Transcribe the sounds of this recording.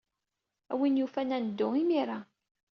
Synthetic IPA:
æwinjufænænəd̪ːʊimiɾa

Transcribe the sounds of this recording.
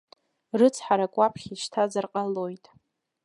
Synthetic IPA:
rɨt͡sʰħaɾakʷʼapʰχʲiʃtʰazarqʼalojtʼ

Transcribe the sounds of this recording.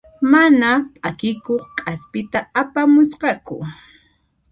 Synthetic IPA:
manapʼakɪkoχkʼaspɪt̪aːpamʊsqɑkʊ̰

